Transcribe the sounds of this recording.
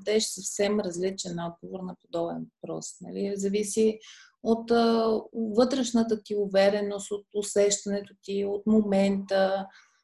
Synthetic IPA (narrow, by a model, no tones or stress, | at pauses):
d̪ɛʃsɐfsɛmɾɐzlit͡ʃɛnɔd̪̚ɡovoɾnɐpod̪ɔbɛ̰nvɐpɾɔ̰snɐ̰lizɐvisi | ot̪ː | vɤt̪ɾɛʃnət̪ət̪iʊvɛɾɛnost̪ot̪ʊsɛʃt̪ɐnɛt̪ʊt̪iot̪momɛnt̪ə